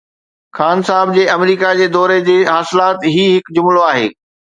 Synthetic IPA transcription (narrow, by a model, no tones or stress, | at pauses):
xaːnsaːɦɪb̚d͡ʑeːɐmɾiːkad͡ʑeːd̪ɔːɾed͡ʑeːɦaːsɪlaːt̪ɦiɦɪkd͡ʑʊmloaːɦḛː